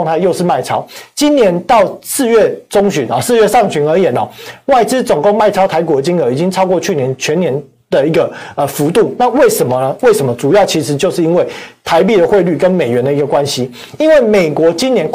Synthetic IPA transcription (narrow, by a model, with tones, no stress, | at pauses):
ŋt̪ʰa˥˧ɪjo˥˧ʊʂ̩˥˧ma˥˩ɪt͡sʰɑ˥ʊt͡ɕi˥nnjɛ˧˦nt̪ɑ˥˨ʊsɹ̩˥˧ɥɛ˥˩t͡sʊ˥ŋɕy˨˥nɔ˨sɹ̩˥˧ɥɛ˥˩˧ʂɑ˥˨ŋɕy˧˥nə˞˧˥jɛ˨˩nɔ̰˨˩wa˥˩ɪʈ͡ʂɻ̩˥t͡so˨˩ŋko˥˧ŋma˥˩ɪɑ˥ʊt̪ʰa˧˥ɪkwɔ˧˥i˨˩t͡ɕi˥ŋɤ˧˥i˨˩t͡ɕi˦ŋt͡sʰɑ˥ʊkwɔ˥˧t͡ɕʰy˥˩njɛ˧˦nt͡ɕʰɥɛ˧˦njɛ˧˥n | d̪ə˨i˧˥ɡə˨ə˨˩fu˧˥t̪u˥˩na˥˧˨we˥˩ɪʂə˧˦˥nmə˨nə˦we˥˩ɪʂə˧˥mə˦t͡su˨˩jɑ˥˩ʊt͡ɕʰi˧˥ʂɻ̩˧˦t͡ɕjo˥˧ʊʂɻ̩˥˩i˦˥nwe˥˩ɪt̪ʰa˧˦ɪp̬i˥˩d̪ə˩xwe˥˧ɪly˥˩kə˦nme˨˩ɪɥɛ˧˦nd̪ə˨i˧˥ɡə˨˩kwa˦˥nɕi˦ | i˥nwe˥˩ɪme˨˩ɪkwɔ˧˥t͡ɕi˦˥njɛ˧˦nk